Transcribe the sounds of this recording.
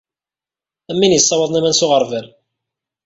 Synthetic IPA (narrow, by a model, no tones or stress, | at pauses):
æmːinjisˤːɑwɑðˤnæmænsʊʁəɾˤvæɾ